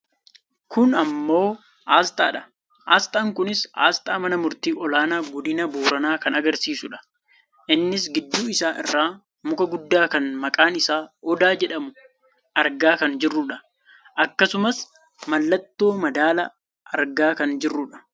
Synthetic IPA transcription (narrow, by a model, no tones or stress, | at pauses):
kʊnɐmːo̞ː | ʔaːst̪a̰ːᶑɐ̥ | ʔaːst̪aːŋkʊnɪsa̰ːst̪aːmɐnɐmʊɾt̪iːʔɔlaːnaːɡɔd̪ɪnɐboːɾɐnaːkɐnɐɡɐɾsiːsʊᶑɐ̥ | ʔɪnːɪs̬ɡɪd̪ːuːɪsaːʔɪ̰rːaː | mʊkɐɡʊd̪ːaːkɐnmɐkʼaːnɪsaːɔd̪aːd͡ʒɛᶑɐmʊ | ʔɐɾɡaːkɐnd͡ʒɪrːʊᶑɐ | ʔɐkːɐsʊmɐs | mɐlːɐt̪ːo̞ːmɐd̪aːlɐ | ʔɐɾɡaːkɐnd͡ʒɪrːʊᶑɐ̥